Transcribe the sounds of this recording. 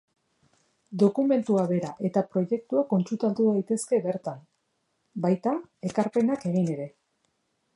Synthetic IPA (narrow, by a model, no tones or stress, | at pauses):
d̪o̞kume̞nt̪uaβe̞ɾaʔe̞t̪apɾo̞je̞k̚t̪uako̞nt͡ʃut̪alt̪uðajt̪e̞ske̞βe̞ɾt̪am | bajt̪ae̞kaɾpe̞nake̞ɣ̞ine̞ɾe̞